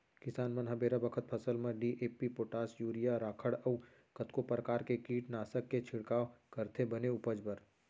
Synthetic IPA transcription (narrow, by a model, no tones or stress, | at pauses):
kɪsaːnmɐ̃nɦɐbeːɾabəkʰət̪̚pʰɐsəlmẽɖiʔeːpipoːʈaːsjuːɾijaɾaːkʰəɽəu | kət̪kopɾəkaːɾkekiːʈnaːsəkːet͡ʃʰɪɽkaːʋkɐɾt̪ʰebɐneʊpəd͡ʒbəɾ